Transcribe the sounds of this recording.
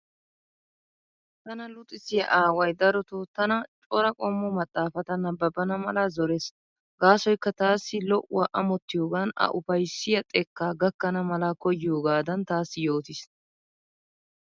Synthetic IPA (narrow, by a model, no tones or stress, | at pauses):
t̪ɐnɐlʊt̪ʼːɪsɪjɐ̰ʔaːwɐjd̪ɐɾɔt̪ot̪ɐnɐt͡ʃʼɔɾɐkʼɔmːɔmɐt̪ʼːaːfɐt̪ɐnɐbɐbɐnɐmɐlazɔɾeːs | ɡaːsɔjkːɐt̪aːsːɪlɔʔʊwɐʔɐmɔt̪ːɪjoːɡaːnɐ̰ʔʊfɐjsːɪjɐt̪ʼɛkːaːɡɐkːɐnɐmɐlakɔjɪjoːɡaːd̪ɐnt̪aːsːɪjoːt̪ɪs